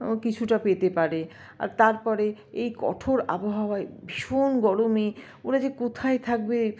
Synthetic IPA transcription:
kit͡ɕʰuʈapet̪epaɾe | a̰ɾt̪aɾpɔɾe | ejkɔ̰ʈʰoɾa̰boɦawaebʱiʃonɡɔɽome | oɾad͡ʑekot̪ʰaet̪ʰak̚be

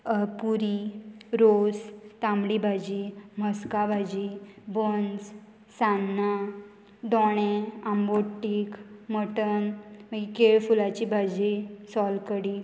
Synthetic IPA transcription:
puɾiɾost̪amɽibʱad͡ʑiməskabʱad͡ʑibənd͡z | sanːa | d̪ɔɽ̃eamboʈːikməʈənməɡikeɭfulat͡ɕibʱad͡ʑisɔlkəɽi

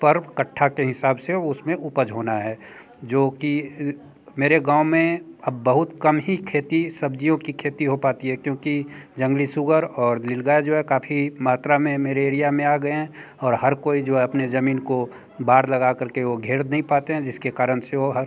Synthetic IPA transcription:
pəɾkəʈʰːakeɦɪsaːbseʊsmẽʔʊpəd͡ʒɦoːnaɦɛː | d͡ʒoːki | meːɾeɡãːʊmẽɐbːəɦʊt̪kɐmɦikʰeːt̪isɐb̚d͡ʒijõkikʰeːt̪iɦopaːt̪iɦɛkjõːkid͡ʒɐ̃ŋɡlisʊɡəɾɔːɾlɪlɡaːed͡ʒoːɦɛkaːfʰimaːt̪ɾamẽmeːɾeeːɾijamẽaːɡəeɦɛ̃ | ɔːɾɦɐɾkoːid͡ʒoːɦɛɐpnezɐmiːnko | baːɾlɐɡakəɾkeʋoɡʱeːɾd̪nəɦĩpaːt̪eɦɛ̃d͡ʒɪskekaːɾəñseoɦəɾ

